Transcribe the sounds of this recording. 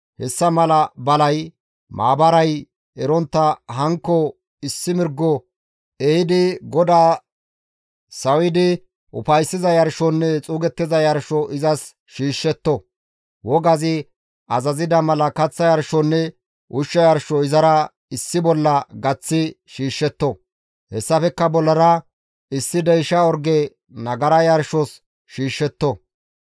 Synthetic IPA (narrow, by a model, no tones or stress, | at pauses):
hɛsːɐmɐlɐbɐlɐj | mʔa̰ːbɐɾɐj | ɛɾɔnt̪ːɐɦɐŋkːɔ | ɪsːɪmɪɾɡːɔ | eɪd̪ɪɡɔd̪aː | sɐwɪd̪ɪ | ʔʊfɐjsːɪzɐjɐɾʃɔnːɛt͡sʼuːɡɛt̪ːɪzɐjɐɾʃɔʔɪzɐs | ʃiːʃːɛt̪ːɔ | wɔɡɐzɪ | ʔɐzɐzɪd̪ɐmɐlɐkɐt͡sːɐjɐɾʃɔnːɛ | ʔʊʃːɐjɐɾʃɔɪzɐɾɐ | ɪsːɪbɔlːɐɡɐt͡sːɪ | ʃiːʃːɛt̪ːɔ | hɛsːɐfɛkːɐbɔlːɐɾɐ | ɪsːɪd̪ɛjʃɐɔɾɡɛ | nɐɡɐɾɐjɐɾʃɔs | ʃiːʃːɛt̪ːɔ